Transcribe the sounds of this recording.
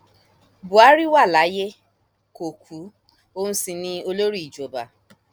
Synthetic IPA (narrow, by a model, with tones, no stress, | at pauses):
bu˨a˨˦ɾi˦wa˦˨la˨˦je˦ | ko˨kʰu˨˦ | o˦nũ˦si˧nĩ˧˦o˧lo˦ɾi˦˨i˨d͡ʒo˨ba˨